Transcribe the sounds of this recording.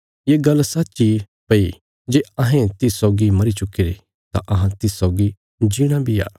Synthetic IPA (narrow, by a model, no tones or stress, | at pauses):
jeːɡɐlsɐtːt͡ʃi | pɐi | d͡ʒeːɐɦẽt̪ɪssɔːɡimɐɾit͡ʃʊkːiɾe | t̪ã̰ʔɐɦãt̪ɪsːɔːɡi | d͡ʒiɽ̃abʱia̰ː